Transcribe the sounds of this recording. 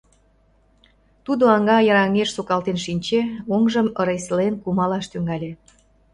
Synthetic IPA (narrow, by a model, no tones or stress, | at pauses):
t̪ud̪oɑŋɡɑjɑɾɑŋeʃsokɑlt̪enʃinʲt͡ɕeoŋʒəməɾeslenkumɑlɑʃt̪yŋɑlʲe